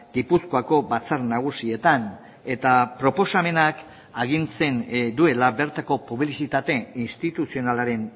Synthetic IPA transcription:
ɡipusko̞ako̞βat͡saɾnaɣ̞usie̞t̪an | e̞t̪apɾo̞po̞same̞nak | aɣ̞inse̞nd̪ue̞laβe̞ɾt̪ako̞puβlisit̪at̪e̞inst̪it̪usio̞nalaɾe̞n

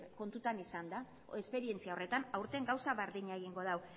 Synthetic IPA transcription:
ko̞nt̪ut̪anisand̪a | e̞spe̞ɾie̞nt͡siao̞re̞t̪anawɾt̪eŋɡawsaβeɾðiɲaeɣ̞iŋɡo̞ð̞aw

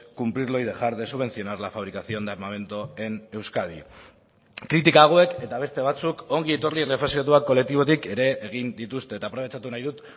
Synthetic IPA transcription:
kumpɾiɾlo̞jðe̞xaɾðesuβ̞e̞nsio̞naɾlafaβ̞ɾikasio̞end̪aɾmame̞nt̪oe̞ne̞wskað̞i | kɾit̪̬ikaːɣ̞oe̞ke̞t̪aβ̞e̞st̪e̞β̞at͡suko̞ŋɡiet̪urlierefesiat̪uakːo̞le̞k̚t̪iβ̞o̞t̪ike̞ɾe̞ʔːɣ̞ind̪it̪ust̪e̞ːt̪apɾo̞βet͡ʃat̪unajðut̪

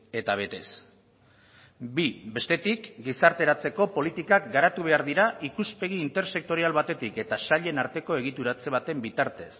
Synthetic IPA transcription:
e̞t̪aβ̞e̞t̪e̞s | bibe̞st̪e̞t̪ikɡisaɾt̪e̞ɾat͡se̞ko̞po̞lit̪ikakɡaɾat̪uβe̞aɾðiɾaʔikuspe̞ɣ̞iːnt̪e̞ɾse̞k̚t̪o̞ɾialβat̪e̞t̪ike̞t̪asaʎe̞naɾt̪e̞ko̞eɣ̞it̪uɾat͡se̞β̞at̪e̞mbit̪aɾt̪e̞s

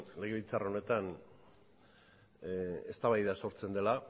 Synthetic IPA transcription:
le̞ɣeilt͡sarao̞ne̞t̪an | e̞st̪aβajðaso̞ɾt͡se̞nd̪e̞la

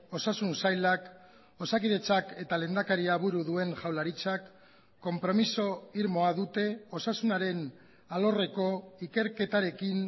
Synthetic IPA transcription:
o̞sasunsajlak | o̞sakiðe̞t͡sake̞t̪ale̞ːnd̪akaɾiaβuɾuðue̞ŋʝawlaɾit͡sakː | o̞mpɾo̞miso̞iɾmo̞aðut̪e̞o̞sasunaɾe̞n | alo̞re̞ko̞ike̞ɾke̞t̪aɾe̞kin

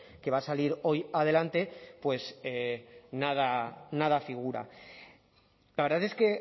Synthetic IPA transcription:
ke̞β̞asaliɾo̞jað̞e̞lant̪e̞pwe̞senað̞anað̞afiɣuɾa̰ | laβɾðaθe̞ske̞

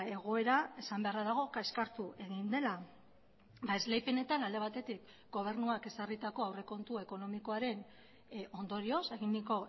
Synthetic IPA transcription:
e̞ɣo̞e̞ɾae̞sambe̞aɾaðaɣ̞o̞kaeskaɾt̪ue̞ɣind̪e̞la | baezle̞jpe̞ne̞t̪anald̪e̞at̪e̞t̪ik | ɡo̞β̞e̞ɾnuake̞sarit̪ako̞awre̞ko̞nt̪ue̞ko̞no̞miko̞aɾe̞n | o̞nd̪o̞ɾio̞se̞ɣind̪iko̞

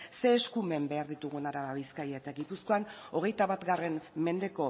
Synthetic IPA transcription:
se̞ːskume̞mbe̞aɾðit̪uɣ̞unaɾaβaβiskajaet̪aɣipusko̞ano̞ɣ̞e̞jt̪aβat̪ɡare̞nme̞nd̪e̞ko̞

